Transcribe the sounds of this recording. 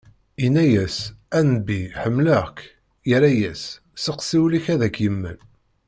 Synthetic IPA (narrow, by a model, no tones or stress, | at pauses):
inæjæsænbiħəmːləʁk | jəɾæjæsː | əqsiwliçæðækːjəmːən